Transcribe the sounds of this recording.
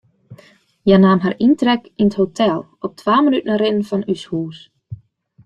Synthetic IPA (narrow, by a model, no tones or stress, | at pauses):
janaːmɦarintrɛkinəthotʰɛlˠ | ɔp̚tʰwʋaːmənytnarɪnən̩fɔnyshuːs